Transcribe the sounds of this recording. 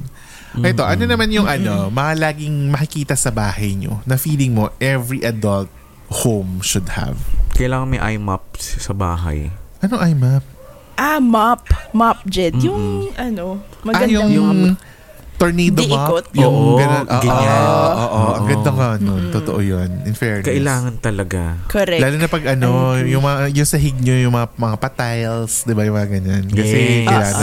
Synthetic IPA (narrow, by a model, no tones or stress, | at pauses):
ʔɐjt̪o̞ʔɐnonɐmanjʊŋʔɐno̞mɐŋɐlaːɡɪŋmɐkɪkiːt̪ɐsɐbaːhɐjɲo̰nɐfiːlɪŋmo̞ʔɛvɹiʔɐd̪ɐlt̪̚ | howmʃʊd̪hɐ̰vkɐjlaːŋɐŋmɐjʔa̰jma̰p̚ssɐba̰ːɦɐ̰jʔɐnoŋʔajmap̚ | ʔamapmap̚d͡ʒɛd̪jʊŋʔɐno | mɐɐɡɐj̪ʊŋjʊ | t̪oɹnid̪omakot̪jjʊŋʔɡɐnʔoːɡɪoʔɲaʔoːʔoʔɐŋŋɡɐd̪ɐŋɡɐonont̪ot̪o̰ʔojonʔɪnfɛɹkɐʔɪlaːŋɐnt̪ɐlɐɡakoɾɛlaːlʊnɐpɐɡʔɐno̞jʊŋmɐŋajʊŋsɐɦɪɡ̚ɲojʊŋmɐŋamɐŋapɐt̪ajlsd̪ɪbajʊŋmɐŋaɡɐɲankɐsɛkɐjlaː